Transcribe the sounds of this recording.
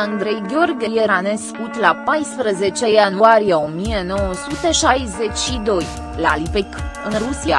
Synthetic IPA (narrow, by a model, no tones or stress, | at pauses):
and̪ɾejɡʲo̞rɡʲejeɾaneskut̪lapajspɾəze̞t͡ʃejanuaɾijeo̞mijeno̞wɔsut̪e̞ʃajze̞t͡ʃʲʃid̪o̞j | la̰lipekɨnrusia̰